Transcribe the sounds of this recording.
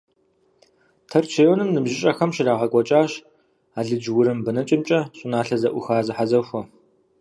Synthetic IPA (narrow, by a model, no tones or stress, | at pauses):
tʰɐrt͡ʃʰeːwɔnɨmnɨmʒɪɕʼɐxɐmʃɪraːʁɐkʷʼɔt͡ʃʼaːɕ | aːɮɨd͡ʒwʊɾɨmbɨnɐt͡ʃʼɪmt͡ʃʼɐɕʼɪnaːɬɐzɐʔʷʊxaːzɨħazɐxʷɔ